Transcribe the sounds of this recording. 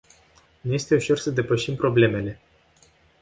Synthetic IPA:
nuje̞st̪e̞uʃo̞rsəd̪e̞pəʃimpɾo̞ble̞me̞le̞

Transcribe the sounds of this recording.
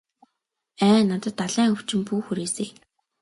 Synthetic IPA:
æːnat̪ə̆t̪ːaɮæːŋɵw̥t͡ɕɪ̆mpuːxuɾeːseː

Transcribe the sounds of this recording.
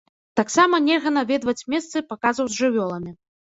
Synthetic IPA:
t̪aksamɐnʲɛlɣɐn̪avʲɛd̪vɐt͡sʲmʲɛst̪sɨpakazvɐwzʲʐɨvʲɔlˠɐmʲi

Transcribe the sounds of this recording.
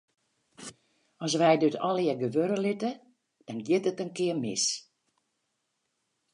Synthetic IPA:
ɔs̬ʋɛjdøtʰɔlˠəɡəʋøɾəlɪtə | d̥ɔnɡjɪtətənkɪəmɪ̰s

